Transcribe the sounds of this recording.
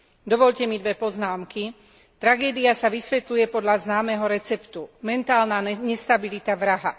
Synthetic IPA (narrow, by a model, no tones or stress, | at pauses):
d̪ɔʋɔʎcɛmid̪ʋɛpɔznaːmki | t̪ɾaɡɛːd̪iasaʋisʋɛt̪lujɛpɔd̪ʎaznaːmɛɦɔɾɛt͡sɛpt̪umɛnt̪aːlnaɲɛst̪abilit̪aʋɾaɦa